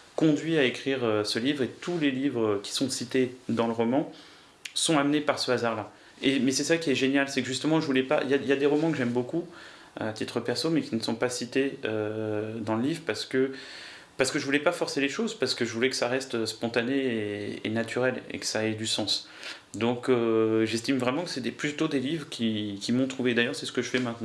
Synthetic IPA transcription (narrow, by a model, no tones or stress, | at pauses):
kɔ̃d̪ɥiaekχiʁøsəlivʁet̪ulelivʁəkʲi̥sɔ̃sit̪ed̪ɑ̃ləʁɔmɑ̃ | sɔ̃amnepaʁsəazaʁla | emɛsɛsakʲiɛʒenjalsɛkəʒyst̪əmɑ̃ʒəvulɛpa̰iljailjad̪eʁɔmɑ̃kəʒɛmboku | aat̪it̪χəpɛʁsomɛkʲinəsɔ̃pasit̪eød̪ɑ̃ləlivʁpaʁsə̥kə | paʁsə̥kəʒəvulɛpafɔʁseleʃozpaʁsə̥kəʒəvulɛkə̥saʁɛst̪øspɔ̃t̪aneeḛnat̪ʰyʁɛlḛkə̥saɛd̪ysɑ̃s | d̪ɔ̃køʒɛst̪imvʁɛmɑ̃kə̥sɛd̪eplyt̪od̪elivʁəkʲʰikʲimɔ̃t̪χuved̪ajœʁsɛsə̥kəʒəfɛmɛ̃t̪nɑ̃